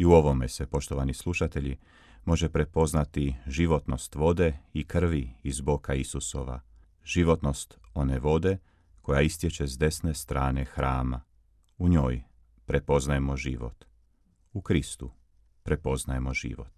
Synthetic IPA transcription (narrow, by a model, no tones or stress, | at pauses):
iuo̞ʋo̞mese̞po̞ʃt̪oʋanislˠuʃat̪e̞ʎi | mo̞ʒepɾe̞po̞znat̪iʒiʋo̞t̪no̞st̪ʋo̞d̪e̞ikr̩ʋiizbokaisuso̞̰ʋa̰ | ʒ̥iʋo̞t̪no̞st̪o̞neʋo̞d̪e̞ | ko̞jaist̪je̞t͡ʃezd̪e̞sne̞st̪ɾaːne̞xɾaːma̰ | uɲo̞ːj | pɾe̞po̞znajemo̞ʒḭʋo̞̰t̪ | ukɾist̪u | pɾe̞po̞znaje̞mo̞ʒḭːʋo̞̰t̪